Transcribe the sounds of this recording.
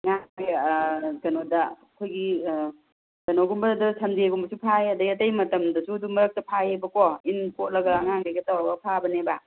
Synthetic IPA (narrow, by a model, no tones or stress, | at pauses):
ŋaŋɡeɡɐnodɐ | kʰojɡi | ɡ̥ɐnoɡumbɐdusʰɐndieɡumbɐsupʰajɐdɐjɐtɐjmɐtɐmdɐsudumɐɾɐk̚tɐpʰajebɐkoinkot̚lɐɡaŋaŋɡɐɡɐtawɾɐɡɐpʰabɐneba